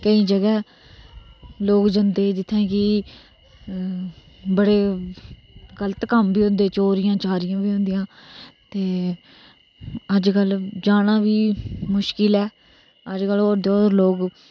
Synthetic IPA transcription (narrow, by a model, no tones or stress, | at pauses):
kəiːd͡ʒəɡɛː | loːkd͡ʒənd̪eːd͡ʒɪt̪ʰːẽːkɪ | bəɽeː | ɡələt̪kəmbiːɦʊ̃nd̪eːt͡ʃoːɾɪjãːt͡ʃaːɾɪjãːbiːɦʊ̃nd̪ɪjãːt̪eː | əd͡ʒkəld͡ʒaːɽãːbiːmʊʃkɪlɛː | əd͡ʒkəloːɾd̪eoːɾloːɡ